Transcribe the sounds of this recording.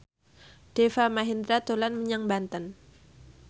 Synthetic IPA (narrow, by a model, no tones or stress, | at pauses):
d̥efamaɦind̪ɾat̪olanməɲaŋbant̪ən